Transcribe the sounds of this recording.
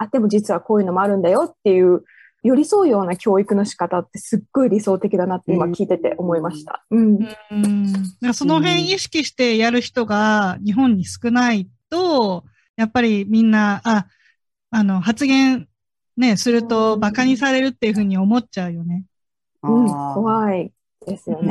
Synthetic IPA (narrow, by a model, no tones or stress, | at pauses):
ad̪e̞mo̞d͡ʑit͡sɨβako̞ːjɯ̟no̞mo̞aɾɯ̟̃nd̪ajo̞t̪ːe̞jɯ̟ː | jo̞ɾʲiso̞ːjo̞ːnakʲo̞ːikɯ̟no̞ɕi̥kat̪at̪ːe̞sɨɡ̥ːo̞iɾʲiso̞ːt̪e̞kʲid̪anat̪ːeimakʲiːt̪e̞t̪e̞̰ʔo̞mo̞imaɕi̥t̪a̰ɯ̟̃ɴ | d̪akso̞no̞ɦẽ̞ɰ̃iɕi̥kʲiɕi̥t̪e̞jaɾɯ̟çi̥t̪o̞ɡaɲ̟iɦõ̞ɲ̟ːisɨ̥kɯ̟nait̪o̞ | japːaɾʲimʲĩnːaa | ano̞ɦat͡sɨɡẽ̞ɰ̃ | ne̞sɨɾɯ̟t̪o̞bakaɲ̟isaɾe̞ɾɯ̟t̪ːe̞jɯ̟ɸɯ̟ːɲ̟io̞mo̞tt͡ɕaɯ̟jo̞ne̞ | ɯ̃ɴkoβai | d̪̥e̞sɨjone